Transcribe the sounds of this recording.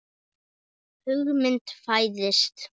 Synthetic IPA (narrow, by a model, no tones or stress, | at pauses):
hʏɣmɪnt̪fajðɪst̪